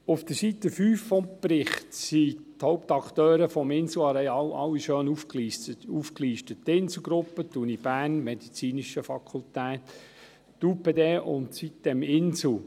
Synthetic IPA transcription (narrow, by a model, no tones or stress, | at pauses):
ʊfd̥̪əɾsit̪ːəfyːfːɔmpɾɪχtsit̪hɔʊpt̪ɑkt̪øːɾəfɔmɪnsl̩ɑɾɛɑlɑ̰wːiʃøːnufkufkliːʃtəttːɪnsl̩ˠɡɾʊpːət̪unib̥æːnmɛd̥̪it͡siːniʃəfɑkʰʊltæːt̪ | tuːpedeːʔʊ̰ntsit̚d̥ɛmɪnsl̩